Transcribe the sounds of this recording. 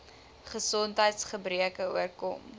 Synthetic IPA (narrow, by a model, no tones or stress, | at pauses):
χəsɔntɦəjtsχəbriəkəuərkɔ̰m